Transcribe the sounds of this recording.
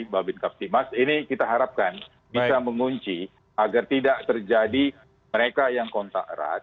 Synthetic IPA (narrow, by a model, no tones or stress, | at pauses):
babɪnkap̚t̪imasinikit̪aɦaɾap̚kan | bisaməŋuɲt͡ʃi | aɡart̪idaʔt̪ərd͡ʒadi | məɾekajaŋkɔnt̪a̰ʔə̰ɾa̰t̪̚